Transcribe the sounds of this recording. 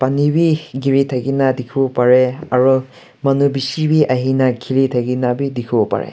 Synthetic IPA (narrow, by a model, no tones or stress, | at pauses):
panibiɡiɹitʰaɡinadikʰubɔpaɹɛaɹu | manubisibiʔaɦinakʰilitʰaɡinabidikʰubɔpa̰ɹɛ̰